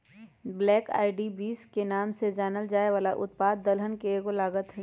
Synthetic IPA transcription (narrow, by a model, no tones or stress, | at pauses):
blɛːka̰ːɪɖibiːskenaːmsed͡ʒaːnəld͡ʒaːeʋaːlaʔʊt̪̚paːd̪ːəlɦənkeɡolaːɡət̪ɦɛ̃